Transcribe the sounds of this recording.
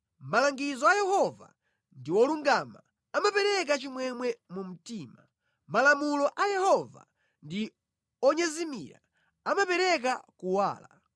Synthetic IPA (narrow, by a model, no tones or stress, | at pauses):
m̩malaŋɡizɔajɛhɔva̰ | ndiwɔluŋɡama | amapɛɾɛk̬at͡ʃimwɛmwɛmum̩tiːma | malamulɔʔajɛhɔva̰ | ndi | ɔɲɛzimḭɾa̰ | amapɛɾɛk̬akuwa̰ːla